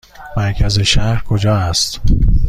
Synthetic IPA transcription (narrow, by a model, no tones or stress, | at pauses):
mæɾcʰæze̞ʃæhɾkʰod͡ʒɒːæst̪